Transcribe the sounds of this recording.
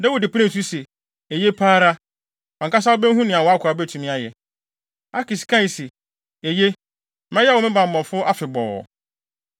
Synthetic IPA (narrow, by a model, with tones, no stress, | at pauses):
dɛ˦wɔ˨dɪ˨pʰu˦nɪ̃˨tʰu˦se˨ | e˨je˦pʰaː˦ɾa˦ | ɔ̃˨ŋ˨ka˦s̬a˦o˦bɛ̃˦n˦ɦũ˦nɪ̃˨a˨wɔ˨a˦kʰʊ˨a˨bɛ˦˨tʰũ˨mĩ˦a˨jɛ˨ | a˦ki˨skʰã˦˨se˨ | e˨je˦ | mã˦jɛ˦wɔ˨mɪ̃˦bã˨m˨bɔ̃˨fʊ˦ʔa˦fɪ˨bɔ̰˨ɔ̰˨